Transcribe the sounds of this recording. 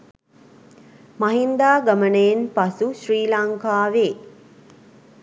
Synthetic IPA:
maɦind̪aːɡamənəjenpasuʃriːlaŋkaːʋeː

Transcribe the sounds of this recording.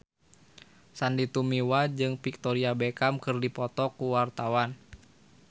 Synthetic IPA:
sandit̪umiwad͡ʒɨŋpik̚t̪ɔɾiabɛkamkɨrdipɔt̪ɔkuwart̪awan

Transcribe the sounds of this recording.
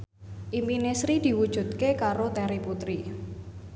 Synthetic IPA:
ʔimpinesɾid̪̥i̤wud̥ʒ̥ṳt̪̚kekaɾot̪ɛɾiput̪ɾi

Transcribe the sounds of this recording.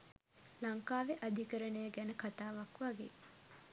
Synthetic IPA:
laŋkaːʋeʔad̪ʱikəɾənəjəɡænəkat̪aːʋakʋaɡḛː

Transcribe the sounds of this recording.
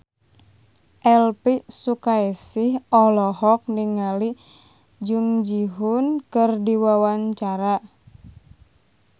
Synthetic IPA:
ʔɛlpisukaesɪhɔlɔɦɔk̚niŋali | d͡ʒuŋd͡ʒiɦunkɨrdiwawaɲt͡ʃaɾa

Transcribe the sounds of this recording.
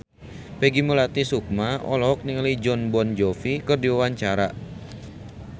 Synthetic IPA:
peɡimulat̪isuk̚maɔ̰lɔɦɔk̚niŋlid͡ʒɔnbɔnd͡ʒɔfikərdiwawaɲt͡ʃaɾa

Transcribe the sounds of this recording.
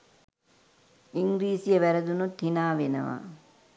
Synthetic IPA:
iŋɡɾiːsijəʋæɾɐd̪unut̪hinaːʋenɐ̰ʋa̰

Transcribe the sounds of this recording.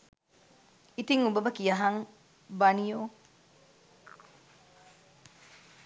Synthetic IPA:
it̪iŋubɐbɐkijaɦaŋ | banijo

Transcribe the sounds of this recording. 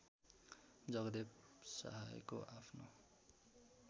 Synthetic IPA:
d͡zʌɡd̪epsʌ̰ɦa̰jkoʔapʰno

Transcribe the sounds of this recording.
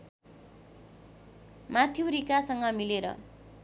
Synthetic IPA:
mat̪ʰjoɾikasʌŋɡʌmileɾʌ̰

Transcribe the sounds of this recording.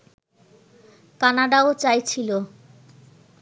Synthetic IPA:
kanaɖaot͡ɕajt͡ɕʰilo

